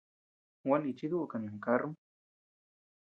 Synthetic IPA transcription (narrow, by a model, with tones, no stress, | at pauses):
wani˨t͡ʃi˦d̪u˦ʔkanja˨ŋkaɾm